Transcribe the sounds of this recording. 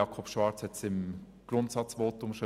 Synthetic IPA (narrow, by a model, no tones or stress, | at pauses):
ɑkʰɔpʃvɑːɾt͡shɛtsɪm | ɡ̥rʊntsɑt͡svoːtʊmʃɔ